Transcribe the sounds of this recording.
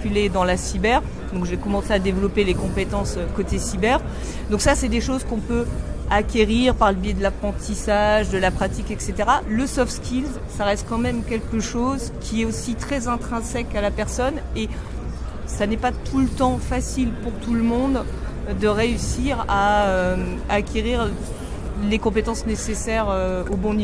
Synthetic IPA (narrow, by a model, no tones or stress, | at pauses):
kʲyled̪ɑ̃lasibɛʁ | d̪ɔ̃kʒekɔmɑ̃sead̪evlɔpelekɔ̃pet̪ɑ̃søkot̪esibɛʁ | d̪ɔ̃ksasɛd̪eʃozkɔ̃pøakʲeʁiʁpaʁləbjed̪əlapχɑ̃t̪isaʒd̪əlapχat̪ikɛkset̪eʁaləsɔfskʲilz | saʁɛst̪̚kɑ̃mɛmkʲɛlkəʃozkʲʰiɛosit̪χɛzɛ̃t̪χɛ̃sɛkalapɛʁsɔne | sanɛpat̪ʰulət̪ɑ̃fasilpuʁt̪uləmɔ̃d̪ | d̪əʁeysiʁaø | akʲeʁiʁ | lekɔ̃pet̪ɑ̃snesesɛʁøobɔ̃ni